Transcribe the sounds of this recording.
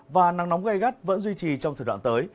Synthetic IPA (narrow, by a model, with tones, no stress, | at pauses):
vaː˨˩na˨˦ŋnɔ˨˦wŋ͡mɣa˧jɣa˦˥t̚və̰˧˥nzwi˧t͡ɕi˨˩t͡ɕɔ˧ŋ͡mt̪ʰəː˨˩wa̰ː˧˨t̪əː˨˦j